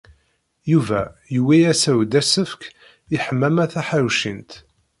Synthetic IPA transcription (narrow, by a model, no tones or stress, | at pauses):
juvæ̰jwijæsæwd̪æsəfk | iħəmːæmæθæħaɾwʃint̪